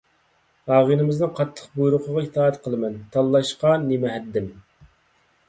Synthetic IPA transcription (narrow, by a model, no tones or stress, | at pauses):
ɑːʁinɪmɪznɨŋqʰɑt̪ʰːə̥qbujuɾʊqʰəʁɑit̪ʰɑːɛt̪qʰəlˠɨmɛnt̪ʰɑlˠːɑʃqɑnemɛɦɛd̪ːɪm